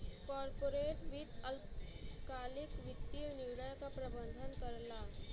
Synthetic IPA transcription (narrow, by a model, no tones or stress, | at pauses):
kɔːɾpoːɾeːʈ̪ʋɪt̪əlkaːlɪkʋɪt̪ːinɪwɽəjkapɾəbənd̪ʱənkəɾla